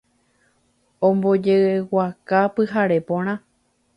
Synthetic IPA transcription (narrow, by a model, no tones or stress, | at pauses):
õmbo̞d͡ʒeewakapɨɦaɾepõɾ̃ã